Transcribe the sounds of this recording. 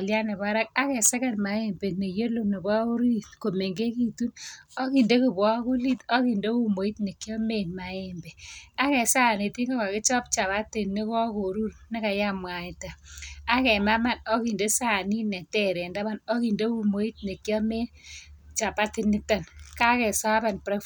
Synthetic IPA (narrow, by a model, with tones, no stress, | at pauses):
lja˦ne˨ba˦ɾa˦k̚a˦kɛ˨sɛ˦kɛ˦nma˨e˦mbe˨ne˨jo˦lo˨ni˨ba˦u˦ɾi˦tko˨me˨ŋɡe˦ki˦tu˦nɔ˦ki˨nde˦kɪ˨bɔ˦ku˦li˦tɔ˦ki˨nde˦u˦mo˨i˦tne˨kjɔ˦me˦˨nma˨ɛ˨mbɛ˨a˦kɛ˨sa˦˨ne˨ti˦ŋɡɔ˦ka˨kɪ˦t͡ʃɔ˦p̚t͡ʃa˨ba˦tɪ˨nɪ˦kɔ˦ko˨ɾu˦ɾnɪ˦ka˨ja˦mwa˨ɪ˨ta˨a˦kɛ˨ma˦ma˦˨nɔ˦ki˨nde˦sa˦˨ni˦nɛ˨tɛ˦ɾɛ˨nda˦ba˦˨nɔ˦ki˨nde˦u˦mo˨˦i˦t̚ne˨kjɔ˦me˦t͡ʃa˨pa˦tɪ˦nɪ˦ta˨nka˦kɛ˨sa˦ba˨npɾa˦